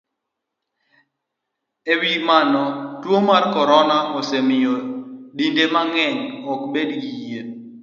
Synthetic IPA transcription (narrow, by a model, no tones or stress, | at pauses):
ewimanɔtwomarkɔɾɔnaɔsemɪjodindemaŋɛɲɔkbedɡije